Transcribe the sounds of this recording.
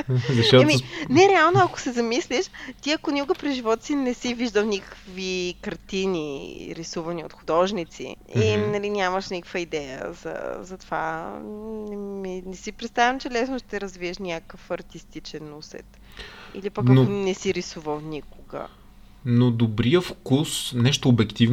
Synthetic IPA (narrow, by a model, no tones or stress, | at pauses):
zɐʃt̪ɔminɛɾɛalˠnoɐko̥sɛzɐmisliʃt̪iɐkonikʊɡəpɾiʒivɔt̪sinɛsiviʒd̪əlˠnʲikə̥kvikɐɾt̪iniɾisuvɐnio̰t̪xʊd̪ɔʒnit̪sḭinɐlinʲaməʃnikə̥kvəid̪ɛjə̰zɐ̰zɐt̪ova̰ | ɛminɛsipɾɛt̪st̪avʲɐmt͡ʃɛlɛsnoʃt̪ɛɾəzviɛʃnʲakəfɐɾt̪ist̪it͡ʃɛnusɛ̰t̪ | ilipɐknonɛsiɾisuvəlˠnikoɡə̰ | nod̪obɾijəfkusnɛʃt̪oːbɛkt̪iv